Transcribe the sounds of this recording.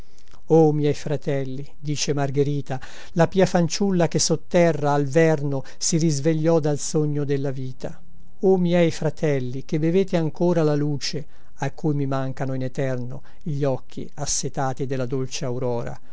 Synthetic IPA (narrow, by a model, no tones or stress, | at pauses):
omjɛjfɾat̪ɛlːid̪iːt͡ʃemarɡeɾiːt̪a | lapiːafant͡ʃulːakesːot̪ːɛrrːaːlvɛrno | sirizveʎːɔd̪alsoɲːod̪elːaviːt̪ʰa | omjɛjfɾat̪ɛlːik̟ebeveːt̪eaŋkoːɾalaluːt͡ʃe | akːujmimaŋkanoinɛt̪ɛrno̰ | ʎːɔkʰːḭasːet̪aːt̪id̪elːad̪olt͡ʃeawɾɔːɾa̰